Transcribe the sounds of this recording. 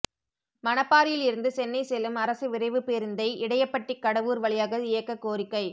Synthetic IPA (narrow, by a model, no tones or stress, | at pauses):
mɐnɐpːaːɾɪjɪlɪɾɯnd̪ɯsɛnːɐɪsɛlːɯmɐɾɐsɯʋɪɾɐɪʋɯpeːɾɯnd̪ɐɪɪɽɐjɐpːɐʈːɪkːɐɽɐʋuːɾʋɐɭɪjaːɣɐɪjɐkːɐkːoːɾɪkːɐɪ